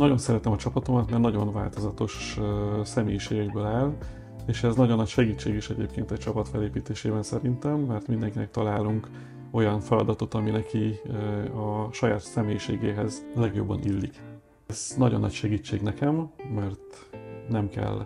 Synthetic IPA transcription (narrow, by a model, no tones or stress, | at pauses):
nɒɟo̞nsɛɾɛt̪ɛmɒt͡ʃɒpɒt̪o̞mɒt̪mɛrnɒɟo̞nva̰ːlt̪o̞zɒt̪o̞ʃ | sɛmeːjiʃeːɡɛɡbøːlaːl | eːʃɛznɒɟonːɒcʃɛɡiːt͡ʃːeːɡiʃɛɟḛːp̚keːnt̪ɛct͡ʃɒpɒt̪fɛleːpiːt̪eːʃeːbɛnsɛɾint̪ɛmːɛrt̪mind̪ɛŋkinɛk̚t̪ɒlaːluŋk | o̞jɒnfɛlɒd̪ɒt̪o̞t̪ɒminɛkʰi | ɒʃɒja̰ːt̪sɛmeːjiʃḛːɡḛːɦɛzlɛɡjo̞̰bːɒ̰nʔilːik | z̥nɒɟo̞nːɒ̰cʃɛɡiːt͡ʃːeːɡnɛkɛmːɛrt̪nɛmkɛ̰l